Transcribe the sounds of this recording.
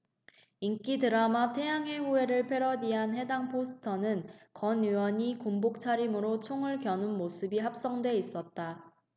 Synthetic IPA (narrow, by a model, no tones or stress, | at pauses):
iŋk͈idɯɾamatʰe̞jaŋɦe̞ɸue̞ɾɯɭpʰe̞ɾʌdiɦanɦe̞daŋpʰosʰɯ̥tʰʌnɯnkʌnjuwʌɲikoŋbok̚t͡ɕʰaɾimɯɾot͡ɕʰoŋɯɭkjʌnɯnmosʰɯbiɦap̚s͈ʌŋdwe̞is͈ʌt̚t͈a